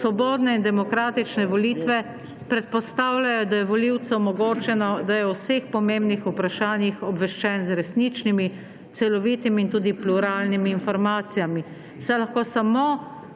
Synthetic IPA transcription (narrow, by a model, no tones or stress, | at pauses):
sʋɔboːd̪nɛind̪ɛmɔkɾaːt̪it͡ʃnɛʋɔliːt̪ʋɛ | pɾɛt̪̚pɔst̪aːwlʲajɔd̪ajɛʋɔliwt̪sɛɔmɔɡoːt͡ʃɛnɔd̪ajɛwsexpɔmembnixupɾaʃaːnjixɔbʋɛʃt͡ʃɛnzɾɛsnit͡ʃnimi | t̪sɛlɔʋit̪imiːnt̪uːd̪ipluɾaːlnimiːnfɔɾmaːt̪sijami | sajlaxkoːsamo